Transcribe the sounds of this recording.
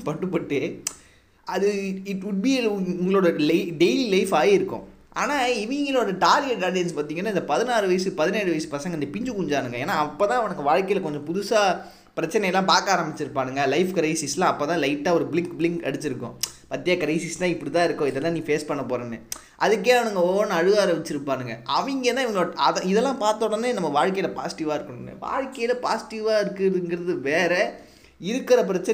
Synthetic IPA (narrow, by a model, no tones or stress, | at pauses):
pɐʈːɯpːɐʈːɯ | ɐðɯɪʈʋʊɖ̚biʊŋɡɐɭoːɽɐlɪɖeɪlilɐɪfaːjɪɾɯkːʊ̰̃ | ʔa̰ːnaːɪʋɪŋɡɐloːɽɐʈaːɾjeʈaːlɐɪnspaːɾt̪iːŋɐnːaːɪnd̪ɐpɐðɪnaːɾɯʋɐjsɯpɐðɪneːɾɯʋɐjsɯ̥pɐsɐŋɡɐnd̪ɐpɪɲd͡ʒɯkʊɲd͡ʒaːnɯŋɡɐeːnːaːɐpːoːt̪ãːɐʋɐnɐkːɯʋaːɻkɐɪlkɔɲd͡ʒɔ̃pʊðʊsaː | pɪɾɐt͡ʃːɐnɛjɐlːãːpaːkaːɾɐmbɪt͡ʃːɪɾɯpːaːnɯŋɡɐlɐɪfkɐɾɐɪsɪslãːɐpːoːt̪ãːlɐɪʈːaːɔɾɯbɪlɪŋkblɪŋkɐ̰ɽɯt̪ːɪɾɯkːʊ̰̃pɐt̪ːɪjɐkɐɾɐɪsɪst̪ãːɪpːɐɽit̪ãːɪɾɯkːʊ̃ɪðɛlːãːniːfeːspɐɳːɐpoːɾenːɯ | ʔɐðɯkːeːɐʋɐnɐŋɡɐoːnɯɐɻɯʋaːɾɐʋɪt͡ʃːɪɾɯpːaːnɯŋɡɐʔɐʋɐŋɡeːt̪ãːɪʋɐŋɡoːɐðɐɪðɛlːãːpaːɾt̪oːɽɐnːenɐmːɐʋaːɻkɐjɪlɐpa̰ːsɪ̥ʈɪʋaːɪɾɯkːɐɳɯnːḛʋa̰ːɻkɐjɪlɐpaːsɪ̥ʈɪʋaːɪɾɯkːɯɾɐɯŋɡɪɾɐðɯʋeːɾɛ | ɪɾɯkːɪɾɐp̬ɪɾɐt͡ʃːɐ